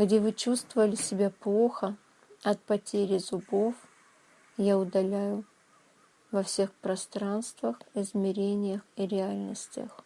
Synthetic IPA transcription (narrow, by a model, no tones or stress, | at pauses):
ɡdʲevɨt͡ɕust̪vəvəlʲɪsʲɪbʲaplˠo̞xə | ɐt̪̚pɐtʲeɾʲɪzʊbo̞f | jaʊd̪ɐlʲæjʊ | vɐfsʲe̞xpɾɐst̪ɾanst̪vəxɪzmʲɪɾʲenʲɪjəxiɾʲɪalʲnəsʲtʲə̰x